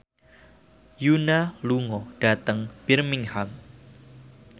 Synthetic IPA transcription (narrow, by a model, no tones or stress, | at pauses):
junaluŋɔɖ̥a̤t̪əŋb̥ɪrmɪŋham